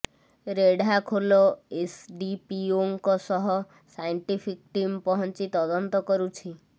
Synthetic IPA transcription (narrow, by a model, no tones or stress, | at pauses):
ɾeɖakʰolɔesɖipioŋkɔsɔɦɔ | sajɳʈipʰikʈimpɔɦɔnt͡ʃit̪ɔd̪ɔnt̪ɔkɔɾut͡ʃʰi